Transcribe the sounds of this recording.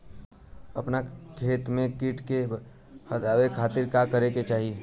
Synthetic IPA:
əpnakʰeːt̪mẽkiʈke | hət̪aːwekʰaːt̪iɾkakəɾeket͡ʃaːɦi

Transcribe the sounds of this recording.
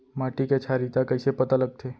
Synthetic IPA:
maːʈiket͡ʃʰaːɾit̪akɐɪsepɐt̪alɐɡ̚t̪ʰeː

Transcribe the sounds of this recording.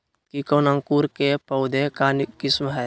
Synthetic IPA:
kikɔːnə̃ŋkuɾkepəʊd̪ʱekaːnkɪsmɦɛː

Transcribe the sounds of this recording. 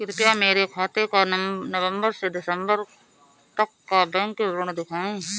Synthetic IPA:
kɪɾpjameːɾekʰaːt̪ekanəʋə̃mbəɾsedɪsə̃mbəɾ | t̪əkːabɛ̃ŋkeɾʊɽ̃d̪ɪkʰaːẽ

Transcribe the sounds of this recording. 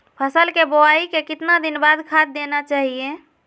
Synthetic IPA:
pʰəsəlkeboaikekɪt̪nad̪inbad̪kʰad̪̚ːenat͡ʃaɦije

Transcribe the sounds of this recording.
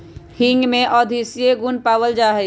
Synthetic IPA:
hɪ̃ŋɡmẽʔɔːd̪ʱisijeɡʊnpaːʋəld͡ʒaːɦɛ

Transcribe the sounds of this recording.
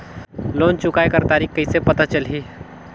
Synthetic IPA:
loːnt͡ʃʊkaːekəɾt̪aːɾiːkkɐisepɐt̪at͡ʃəlɦiː

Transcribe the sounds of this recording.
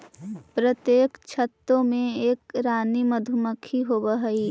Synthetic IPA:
pɾət̪jeːkt͡ʃʰət̪ːõmẽeːkɾaːniməd̪ʱʊməkʰiɦoːbəɦɐiː

